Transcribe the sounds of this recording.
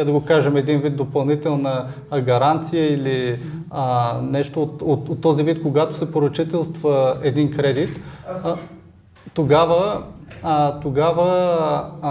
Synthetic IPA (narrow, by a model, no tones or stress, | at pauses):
ad̪ɐɡokaʒɛmɛd̪invit̪̚d̪opɐlˠnit̪ɛlˠnə | ɡɐɾant̪sijəili | nɛʃt̪ot̪ot̪ot̪ːɔzivit̪koɡat̪o̥sɛpoɾɛt͡ʃit̪ɛlˠst̪vəɛd̪inkɾɛd̪it̪ | oɡavə | t̪oɡavə